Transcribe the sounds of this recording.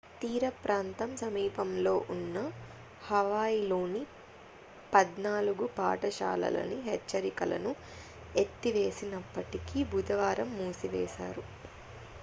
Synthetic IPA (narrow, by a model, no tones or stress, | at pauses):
t̪iːɾɐpɾʔaːnt̪ɐmsɐmiːpɐmlo̞ːʔunːɐ | hɐʋaːjilo̞ːni | pɐd̪naːluɡupa̰ːʈɐʃa̰ːlɐ̰lɐ̰niɦet͡ʃːɐɾikɐlɐ̰nu | et̪ːiʋe̞ːsinɐpːɐʈikibʱud̪ɐʋaːɾɐmːuːsiʋɛːʃa̰ːɾu